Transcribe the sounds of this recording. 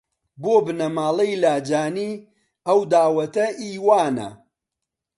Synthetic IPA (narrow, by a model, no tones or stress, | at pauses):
boːbɨnɐmaːlɐjlaːd͡ʒaːniː | ɐwd̪aːwɐt̪ɐʔiːwaːnɐ̰